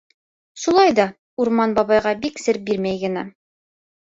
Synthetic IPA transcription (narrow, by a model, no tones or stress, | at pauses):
ʃulˠɑjd̪ɑ | uɾmɑnbɑβɑjʁɑbiksɘ̆ɾ̚biɾmæjɡɘ̆næ